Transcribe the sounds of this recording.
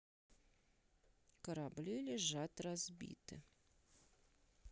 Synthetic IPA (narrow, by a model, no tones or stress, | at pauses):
kɐɾablʲilʲeʒat̪razbʲḭt̪ɨ̰